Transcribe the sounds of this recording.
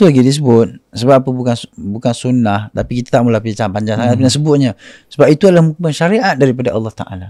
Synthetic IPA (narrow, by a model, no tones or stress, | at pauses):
t̪ulaɡidis̬əbʊt̪̚səbapapəbukanbukansunaht̪apikit̪ḁt̪aʔmulahpit͡ʃaŋpaɲd͡ʒaŋsaŋat̪̚pinasəbʊt̪̚ɲə̃səbapit̪uadəlahmuk̚mənʃaɾiʔat̪̚daɾipadaʔɑ̰lːɑht̪a̰ʔa̰la